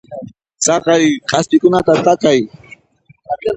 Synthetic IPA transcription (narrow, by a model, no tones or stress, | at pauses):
t͡sɑqɑjqʼɑst̪ɪkʊnat̪at̪akaj